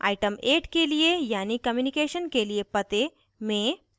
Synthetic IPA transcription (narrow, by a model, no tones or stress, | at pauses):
a̰ːɪʈəmeːʈkeliejaːnikɐmjuːnikeːʃənkeliepɐt̪e | mẽ